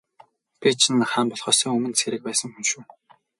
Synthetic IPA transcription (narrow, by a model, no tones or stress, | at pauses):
pʲit͡ɕʰinχaːmpɔɮχœːsœːŋɵmɘ̆nt̪sʰeɾɘ̆k̚pæːsə̆ŋxunʃuː